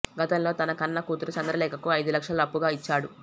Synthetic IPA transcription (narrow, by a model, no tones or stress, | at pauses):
ɡɐt̪ɐmlo̞ːt̪ɐnɐkɐnːɐkuːt̪uɾut͡ʃɐnd̪ɾɐlɛːkɐkuɐjd̪ulɐkʂɐlɐɐpːuɡaːit͡ʃːaːɽu